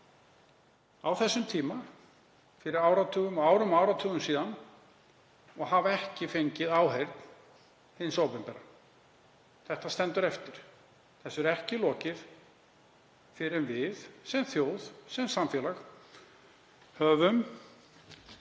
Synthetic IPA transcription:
awθɛsːʏmt̪ʰiːma | fɪɾɪɾaːwɾat̪ʰʏːɣʏmɔaːwɾʏmawɾat̪ʰœːɣʏmsiːðan | ɔɣhavɛhcɪfejɲcɪðaːwɦejɾt̪n | hɪnsoːwpɪmpɛɾa | θɛht̪ast̪ɛnt̪ʏɾɛft̪ɪɾ̥ | θɛsːɛɾɛhcɪlɔːcɪð | fɪɾɛnvɪðsɛmθjoːwðsɛmsamfjɛːlax | hœːvʏm

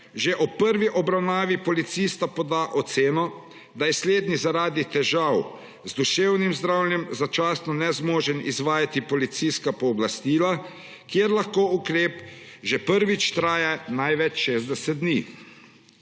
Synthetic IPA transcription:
ʒeʔɔpːəɾʋiʔɔbɾawnaːʋipɔlit̪siːst̪apɔd̪aʔɔt̪seːnɔ | d̪ajɛsleːd̪nizaɾaːd̪it̪ɛʒaw | zd̪uʃewnimzd̪ɾawlnjɛmzat͡ʃaːsnɔnɛzmɔːʒɛnḭzʋaːjat̪ipɔlit̪siskapɔːblast̪iːla | kjeːɾlaxkoːukɾeːpʒɛpəɾʋit͡ʃt̪ɾaːjanajʋɛt͡ʃʃeːzd̪ɛsɛt̪̚d̪niː

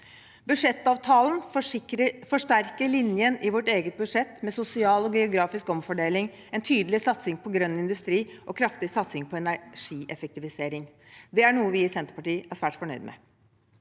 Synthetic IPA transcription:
bʉʂɛt̪ːɑːʋt̪ʰɑːln | fɔʂʈæɾkəɭɪnjənɪʋɔʈːeːɡət̪̚bʉʂɛt̪ːmɛsʊsɪɑːlɔɡɛʊɡɾɑːfɪskɔmfɔɖeːlɪŋ | ɛnt̪ʰyːd̪lɪsɑt̪sɪŋpʰɔɡɾœnːɪnd̪ʉst̪ɾiːʔɔkʰɾɑft̪ɪsɑt̪sɪŋpʰɔɛnæʂiːʔɛfɛk̚t̪ɪʋɪseːɾɪŋ | d̪ɛæɳuːəʋɪɪsɛnt̪əɾpɑʈiːæʂʋæːʈfɔɳœʏd̪mɛ̰

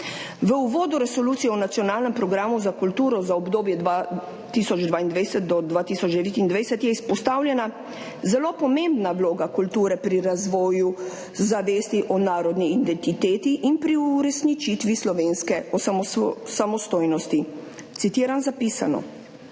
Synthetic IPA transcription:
ʋəuʋoːd̪uɾɛsɔluːt̪sijɛunat̪sijɔnaːlnɛmpɾɔɡɾaːmuzakult̪uːɾɔzaɔbd̪oːbjɛd̪ʋa | t̪isɔd͡ʒd̪ʋaːind̪ʋɛjsɛt̪̚d̪ɔd̪ʋaːt̪iːsɔd͡ʒd̪ɛʋeːt̪ind̪ʋɛjsɛt̪jɛispɔst̪aːwljɛna | zɛlopɔmẽmbnawloːɡakult̪uːɾɛpɾiɾazʋɔːju | zaʋeːst̪iʔɔnaːɾɔd̪niːnd̪ɛnt̪it̪eːt̪iʔinpɾiuɾɛsnit͡ʃit̪ʋislɔʋeːnskɛɔssamɔst̪oːjnɔst̪i | t̪sit̪iːɾanzapiːsa̰nɔ̰

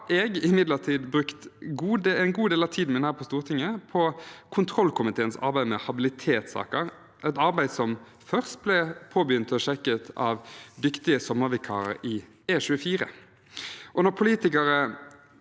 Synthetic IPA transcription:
ɛɡɪmɪd̪ləʁt̪ʰiːd̪bʁʉkt̪ɡuːd̪ɛɪnɡuːd̪eːlɑʋt̪ʰiːd̪n̩mɪnəhæːɾpʰɔst̪uːʁt̪ʰɪŋːəpʰɔkʰʊnt̪ʰʁɔlːkʰʊmɪt̪ʰeːənsɑ̰ɾbæɪmɛhɑbɪlɪt̪ʰeːt̪sɑ̰ːkəɾ | ʔɛɪt̪ɑɾbæɪd̪sɔm | fœʁst̪̚blɛpʰoːbəjʏnt̪ɔʃɛkːət̪ʰɑʋd̪ʏkt̪ɪəsɔmːəʁʋɪkʰɑ̰ːʁə̰ɾɪ | eːʃʉːəfiːʁə̰ | ʔɔnɔʁpʰʊliːt̪ɪkɑɾə

